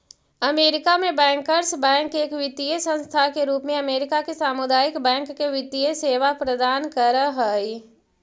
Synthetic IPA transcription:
ɐmeːɾɪkamẽbɛ̃ːŋkəɾsbɛ̃ːŋkːeːkʋɪt̪iesə̃nst̪ʰakeɾuːpmẽɐmeːɾɪkakesaːmʊd̪aːɪkbɛ̃ːŋkːeʋɪt̪ijeseːʋapɾəd̪aːnkəɾəɦəːi

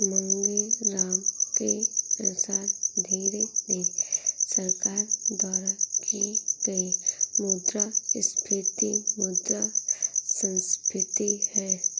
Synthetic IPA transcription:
mə̃ŋɡeɾaːmkeɐnʊsaːɾd̪ʱiːɾenesɐɾkaːɾd̪aːɾakʰiɡimuːd̪ɾaɪskʰɾɪt̪imuːd̪ɾasə̃nskɾɪt̪ihɛː

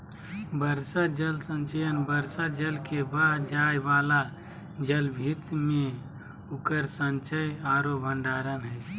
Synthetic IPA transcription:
bəɾsad͡ʒəlsə̃nt͡ʃəjənbəɾsad͡ʒəlkebaːɦd͡ʒaːjʋaːla | d͡ʒəlbʱit̪mẽ | ʊkəɾsə̃nt͡ʃəjaːɾobʱə̃ɳɖaːɾənɦɛː

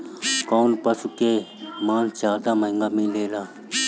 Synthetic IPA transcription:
koːnpəsukemaːnt͡ʃaːt̪aːmɐɪŋɡaːmĩːleːlaː

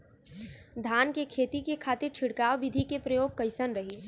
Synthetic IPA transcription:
d̪ʱaːnkekʰeːt̪ikekʰaːt̪ɪɾt͡ʃʰɪɽkaːʋʋɪd̪ʱikepɾɐjoːɡ̚kɐɪsənɾɐɦiː

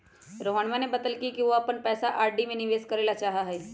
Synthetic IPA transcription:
ɾoːmaːɳmanẽbɐd̪əlkikiʋoɐpənpɛːsaʔaːɾɖimẽnɪʋeːskɐɾeːlat͡ʃaːɦaɦɛː

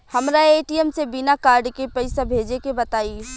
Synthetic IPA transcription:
hɐmɾaeːʈiɛmsebɪnakaːɾɖkepɐɪsabʱeːd͡ʒekebɐt̪aːi

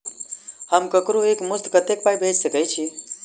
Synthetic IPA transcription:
həmkəkɾoekmʊst̪kət̪ek̚pajbʱed͡ʒsəkəjt͡ʃʰi

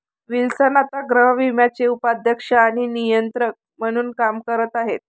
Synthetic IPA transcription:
ʋilsənat̪aɡɾəɦəʋimjat͡seupad̪ʱjəkʂaːɽ̃inijənt̪ɾək̚m̤əɽ̃uːnkamkəɾət̪aɦet̪̚

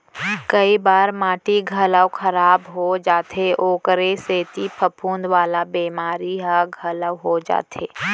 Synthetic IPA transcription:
kəibaːɾmãːʈiɡʱələwkʰəɾaːbɦod͡ʒaːt̪eʔoːkəɾeseːt̪ipʰəpʰũːnd̪ʋaːlabeːmaːɾiɦaɡʱələwɦod͡ʒa̰ːt̪ʰḛː

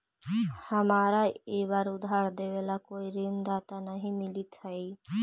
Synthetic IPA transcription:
həmaːɾaeːʋaːɾʊd̪ʱaːɾd̪eːʋeːlakoːiɾɪnd̪aːt̪anəɦĩmɪlit̪ɦəiː

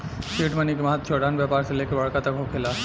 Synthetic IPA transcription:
ʃeʈmənikemɐɦət̪ːt͡ʃʰoɖʱanbjɛpaɾselekebɐɽkat̪akokʰela

